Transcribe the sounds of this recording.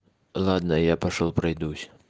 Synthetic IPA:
lˠad̪nɐjapɐʂɔlˠpɾajd̪usʲɐ̥

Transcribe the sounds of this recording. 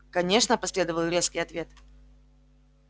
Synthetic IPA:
kɐnʲe̞ʂnəpɐsʲlʲe̞d̪əvəlˠɾʲe̞skʲɪjɐt̪vʲe̞t̪

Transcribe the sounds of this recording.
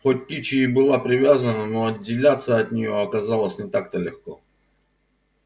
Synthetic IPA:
xot̚ʲkʲit͡ɕɪːbɨlˠapɾʲɪvʲazənənoɐdʲːɪlʲat̪sːəɐt̪ʲnʲɪjoɐkɐzalˠəsʲnʲɪt̪ak̚t̪əlʲɪxko

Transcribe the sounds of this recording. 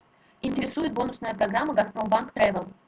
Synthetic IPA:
ɪnʲtʲɪɾʲɪsujɪt̪̚bo̞nʊsnəjəpɾɐɡɾamːəɡɐspɾo̞mbankt̪ɾɛvʲəlˠ

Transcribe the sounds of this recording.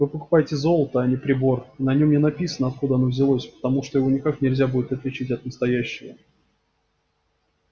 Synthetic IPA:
vɨpəkʊ̥pajɪtʲɪzo̞lˠət̪əɐnʲɪpɾʲɪbo̞rinɐnʲo̞mnʲɪnɐpʲisənəɐt̪̚kud̪əɐnovzʲɪlˠosʲpə̥t̪ɐmuʂt̪ojɪvonʲɪkaknʲɪlʲzʲabudʲɪt̪ɐt̪lʲɪt͡ɕitʲɐt̪nəst̪ɐjæɕːɪvə̰

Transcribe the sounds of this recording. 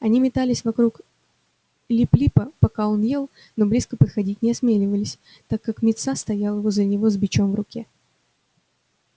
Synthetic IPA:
ɐnʲimʲɪt̪alʲɪsʲvɐkɾuk | lʲiplʲipəpɐkao̞nje̞lˠ | no̞blʲiskəpət̪xɐdʲitʲnʲɪɐsmʲelʲɪvəlʲɪsʲ | t̪akːakmʲɪt̪sast̪ɐjalˠjɪvozəənʲɪvo̞zbʲɪt͡ɕo̞mvrʊkʲe̞

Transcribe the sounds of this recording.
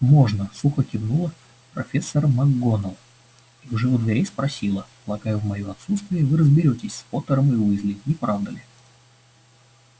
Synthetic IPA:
mo̞ʐnəsuxəkʲɪbnulˠə | pɾɐfʲesːərmɐɡːo̞nəlˠ | iʊʐɛvʊd̪vʲɪɾʲejspɾɐsʲilˠə | lˠɐkajʊvmɐjoɐt̪sut̪st̪vʲɪjəvɨɾəzbʲɪɾʲotʲɪsʲspot̪əɾəmɨʊɪzlʲinʲɪpɾavd̪əlʲɪ

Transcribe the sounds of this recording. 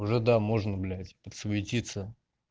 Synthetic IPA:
ʊʐɛd̪amo̞ʐnəɡlʲætʲpət̪svʲɪtʲit̪sə

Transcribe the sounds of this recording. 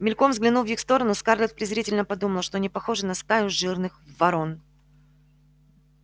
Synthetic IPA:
mʲɪlʲko̞mzɡlʲɪnulvjixst̪o̞ɾənʊskarlʲɪt̪̚pɾʲɪzɾʲitʲɪlʲnəpɐd̪uməlˠʂt̪onʲɪpɐxoʐɨnɐst̪ajʊʐɨrnɨxvvɐɾo̞n

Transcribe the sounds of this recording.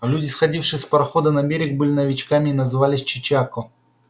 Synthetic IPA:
lʲudʲɪsxɐdʲifʂɨspɾɐxod̪ɐnɐbʲeɾʲɪɡ̚bɨlʲɪnɐvʲɪt͡ɕkamʲɪːnɐzɨvalʲɪsʲt͡ɕɪt͡ɕakʊ

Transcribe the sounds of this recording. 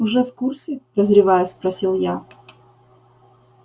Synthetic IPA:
ʊʐɛfkursʲɪɾəzɾʲɪvajʊspɾɐsʲilˠja

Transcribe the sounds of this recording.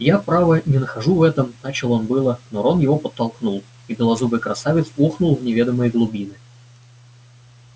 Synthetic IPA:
japɾavənʲɪnəxɐʐuvɛt̪əmnat͡ɕɪlˠonbɨlˠənoɾonjɪvopət̪ːɐlˠknulˠ | ibʲɪlˠɐzubɨjkɾɐsavʲɪt̪suxnʊlˠvnʲɪvʲe̞d̪əməjəɡlˠʊbʲinɨ

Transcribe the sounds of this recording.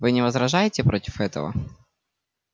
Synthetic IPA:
vɨnʲɪvəzɾɐʐajɪtʲɪpɾʔotʲɪ̥fɛt̪ə̰və̰

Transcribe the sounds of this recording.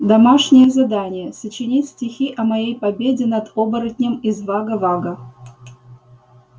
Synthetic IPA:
d̪ɐmɑʂnʲɪjəzad̪anʲɪjəsət͡ɕɪnʲitʲsʲtʲɪxʲiʔɐmɐjejpɐbʲedʲɪnad̪obəɾətʲnʲɪmizvaɡəvaɡə

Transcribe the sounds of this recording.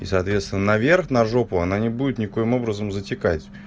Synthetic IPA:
isɐːt̪vʲet̪st̪vʲɪnənɐvʲerxnɐʐo̞pʊɐnanʲɪbudʲɪt̪nʲɪko̞jɪmo̞bɾəzəmzətʲɪkatʲ

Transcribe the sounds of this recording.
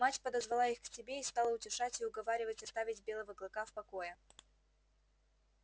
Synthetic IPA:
matʲpəd̪əzvɐlˠaixksʲɪbʲeist̪ɑlˠəʊtʲɪʂatʲɪʊɡɐvaɾʲɪvətʲɐst̪avʲɪtʲbʲe̞lˠəvəɡlˠɐkafpɐkojə

